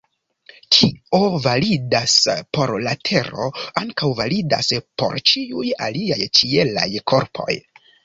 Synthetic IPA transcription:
kʰiovalidaspo̞ɾlatʰe̞ɾo̞̰aŋkawvalida̰spo̞̰ɾt͡ʃiujaliajt͡ʃiela̰jkʰo̞ɾpʰo̞̰j

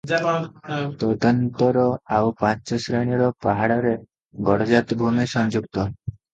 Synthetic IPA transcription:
t̪ɔd̪ɔnt̪ɔɾɔawpãt͡ʃɔsɾeɽ̃jiɾɔpaɦaɽɔɾe | ɡɔɽɔd͡ʒat̪bʱumesɔnd͡ʒuɡt̪ɔ

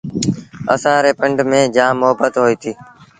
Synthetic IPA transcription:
ə̰sãːɾeːpəɳɖmẽːd͡ʒãːmːʊɦəbət̪ɦoːiːt̪ʰiː

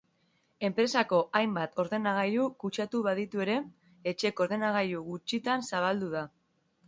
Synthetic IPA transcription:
e̞mpɾe̞sako̞ʔajmbat̪o̞ɾðe̞naɣ̞ajukut͡ʃat̪uβað̞it̪ue̞ɾe̞ː | t͡ʃe̞ko̞ɾðe̞naɣ̞ajuɣut͡ʃit̪ansaβ̞ald̪uða

